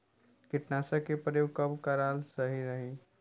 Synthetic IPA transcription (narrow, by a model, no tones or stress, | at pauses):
kɪʈnaːsakepəɾjoːkɐbkaɾaːlsəɦiɾəɦi